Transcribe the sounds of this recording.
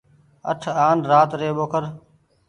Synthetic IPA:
ə̰ʈʰaːnɾaːt̪ɾeːɓoːkʰəɾ

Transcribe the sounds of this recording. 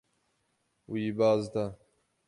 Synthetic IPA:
wibaːzt̪a

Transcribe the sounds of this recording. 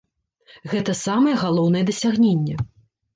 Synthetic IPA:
ɣɛt̪ɐsamɐjɛɣalˠɔwn̪ɐjɛd̪ɐsʲaɣnʲenʲːɛ

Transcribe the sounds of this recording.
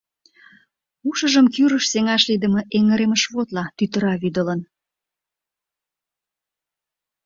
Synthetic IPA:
uʃəʒəmkyɾəʃseŋɑʃlid̪əmə̆ʔeŋəɾeməʃβot̪lɑt̪yt̪əɾɑβyd̪ələn

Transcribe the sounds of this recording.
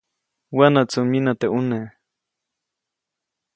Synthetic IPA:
wanat͡suminat̪eʔune

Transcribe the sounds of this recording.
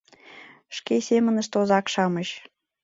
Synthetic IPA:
ʃkesʲemə̆nə̆ʃt̪ozɑkʃɑməɕ

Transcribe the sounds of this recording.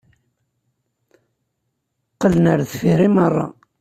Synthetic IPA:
qːələnəɾθfiɾimərˤːɑ̰

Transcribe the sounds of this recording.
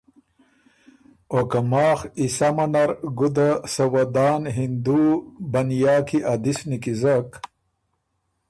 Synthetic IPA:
okɐmaːxisamɐnɐɾɡud̪asɐwɐd̪aːnɦind̪ubɐnjaːkiʔad̪isnikizɐk

